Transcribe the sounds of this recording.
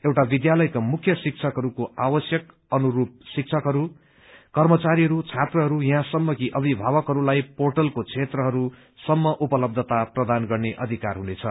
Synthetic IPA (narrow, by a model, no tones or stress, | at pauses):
ewʈabid̪jalʌjkamukʰːjʌsik̚t͡sʰʌkɦʌɾukoawʌsjʌk | ʌnuɾup̚sik̚t͡sʰʌkɦʌɾu | kʌrmʌt͡saɾiɦʌɾut͡sʰat̪rʌɦʌɾujɦãsʌmːʌkiʔʌbʱibʱaβʌkɦʌɾulajporʈʌlkot͡sʰet̪rʌɦʌɾu | sʌmːʌʔupʌlʌb̚d̪ʱʌt̪aprʌd̪anɡʌrneʔʌ̰d̪ʱikarɦunet͡sʰʌ